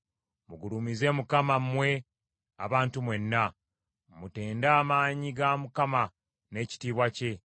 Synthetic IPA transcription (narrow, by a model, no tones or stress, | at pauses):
muɡulumize̞ːmukamamwe̞ | a̰βaːntumwe̞nːa | mute̞ːndaːmaːɲiɡamukama | ne̞ːci̥tiːβwace̞